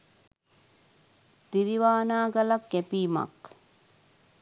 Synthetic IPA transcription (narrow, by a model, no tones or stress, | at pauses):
t̪iɾiʋaːnaːɡalakːɛpiːma̰k